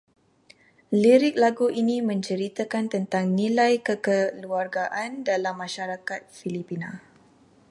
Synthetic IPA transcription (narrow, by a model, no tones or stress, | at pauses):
liɾɪk̚laɡuʔinimə̃ɲt͡ʃəɾit̪akant̪ənt̪aŋnilajkəkəluarɡaʔandalamːãʃaɾakat̪̚filipina